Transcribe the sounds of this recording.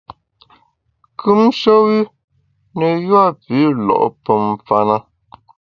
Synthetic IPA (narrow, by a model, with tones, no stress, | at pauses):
kʰʉ˦mʃo˦wi˦ | nə˨jwa˦˨pi˨˦lɔ̰˨ʔpə˨mfa˦na˦